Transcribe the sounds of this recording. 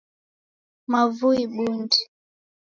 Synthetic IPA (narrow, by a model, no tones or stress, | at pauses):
mavuiɓundi